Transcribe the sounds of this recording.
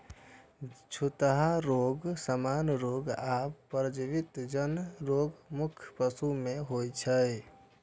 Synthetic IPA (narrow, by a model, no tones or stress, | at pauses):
t͡ʃʰut̪ɦaɾoɡsəmanɾoɡappːɾəd͡ʒiʋit̪d͡ʒənɾoːɡmukʰpəsumẽɦojt͡ʃʰəj